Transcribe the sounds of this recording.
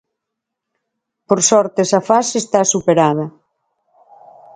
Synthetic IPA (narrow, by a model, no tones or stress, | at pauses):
poɾsɔɾt̪esafasest̪asupeɾað̞ɐ